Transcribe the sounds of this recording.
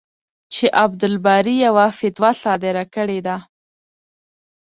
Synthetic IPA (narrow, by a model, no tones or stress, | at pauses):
t͡ʃeʔabd̪ɪlbɑɾijawafɪt̪wasɑd̪ɪɾakəɽed̪a